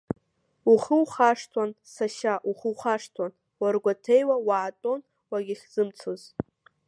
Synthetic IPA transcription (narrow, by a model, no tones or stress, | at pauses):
uχəwχaʂtʰwansaʃaʔuχəwχaʂtʰwan | warɡʷatʰejwawaːtʼo̞n | waɡʲiχʲz̥ɨmt͡sʰoz